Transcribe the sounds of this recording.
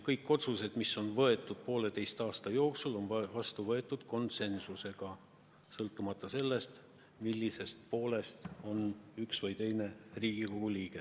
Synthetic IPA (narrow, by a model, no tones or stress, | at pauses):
kɤjkːˑo̞t̪suse̞d̪̥miso̞nvɤe̞t̪ːˑud̪̥̚po̞ːle̞t̪e̞jst̪ɑːst̪ɑjo̞ːksulo̞nvɑst̪uvɤ̞e̞t̪ːˑud̪̥ko̞nt̪se̞nsuse̞ɡ̥ɑ | sɤlt̪ːˑumɑt̪ˑːɑse̞lːe̞st̪ | milʲːise̞st̪̚po̞ːle̞st̪o̞nyksvɤjt̪e̞jne̞riːɡ̥iko̞ɡ̥uliːɡe̞